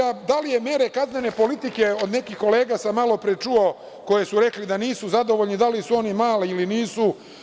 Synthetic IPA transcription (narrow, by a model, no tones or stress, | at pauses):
ad̪alije̞me̞ɾekazne̞ne̞po̞lit̪ike̞o̞d̪ne̞kixko̞le̞ːɡasamːalˠo̞pɾet͡ʂuo | ko̞jesuɾe̞klid̪aniːsuzad̪o̞ʋoʎnid̪alisuo̞nimaːliiliniːsu